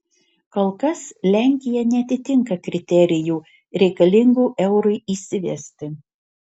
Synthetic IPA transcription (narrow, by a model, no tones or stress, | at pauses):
kolˠkɐslʲæˑŋʲkʲɪjɛnʲɛɐt̪ʲɪt̪ʲɪŋkɐkɾʲɪt̪ʲɛɾʲɪjuː | ɾʲɛɪkɐlʲɪŋɡuːʔɛʊɾɐɪiːsʲɪʋʲɛ̰sʲt̪ʲɪ